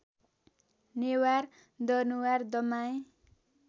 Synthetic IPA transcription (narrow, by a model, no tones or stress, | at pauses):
newar | d̪ʌnuward̪ʌmaj